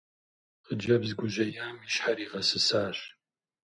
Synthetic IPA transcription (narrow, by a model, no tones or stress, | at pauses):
qəd͡ʒɐbzɡʷʊʒɐjaːmiɕħaɾiːʁɐsɨsaːɕ